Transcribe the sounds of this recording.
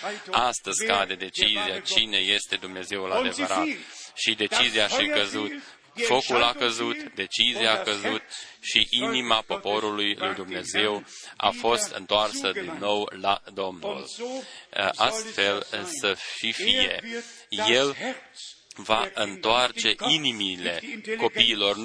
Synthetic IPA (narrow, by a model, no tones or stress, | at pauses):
ast̪əzʲkad̪ed̪e̞t͡ʃiziat͡ʃine̞je̞st̪e̞d̪umne̞ze̞wulad̪e̞vəɾat̪ʃid̪e̞t͡ʃiziaʃikəzut̪ | fo̞kulakəzut̪d̪e̞t͡ʃiziakəzut̪ʃiʔinimapo̞po̞ɾulujlujd̪umne̞ze̞wa̰fo̞st̪ɨ̰nt̪oarsəd̪inːo̞wlad̪o̞mnṵl | ʔast̪fe̞lsəʃifije̞̰ | je̞l | vaʔɨnt̪oart͡ʃe̞ʔinimile̞ko̞piːlo̞r